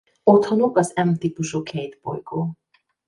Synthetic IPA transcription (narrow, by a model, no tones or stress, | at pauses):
o̞t̪hɒno̞kɒzɛmt̪iːpuʃuːkʰɛjt̪bo̞̰jɡoː